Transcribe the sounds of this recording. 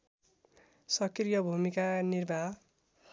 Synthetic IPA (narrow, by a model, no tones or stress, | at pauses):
sʌkrjʌbʱumikanirbʱa